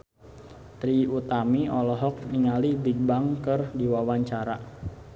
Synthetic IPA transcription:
t̪ɾiut̪amiɔlɔɦɔk̚niŋalibiɡ̚baŋkərdiwawaɲt͡ʃaɾa

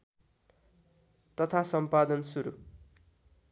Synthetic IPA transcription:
t̪ʌt̪ʰasʌmpad̪ʌnsuɾṵ

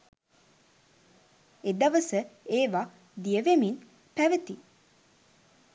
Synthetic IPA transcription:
ed̪aʋəsəeːʋa | d̪ijəʋemin | pæʋət̪i

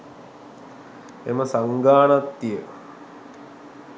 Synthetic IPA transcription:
ḛməsaŋɡaːnat̪ːijə

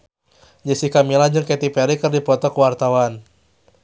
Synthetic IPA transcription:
d͡ʒəsikamilad͡ʒɨŋkɛt̪ipɛɾikɨrdipɔt̪ɔkəwart̪awan

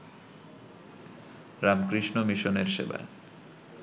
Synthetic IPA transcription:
ɾamkɾiʃnomiʃoneɾʃḛba̰e

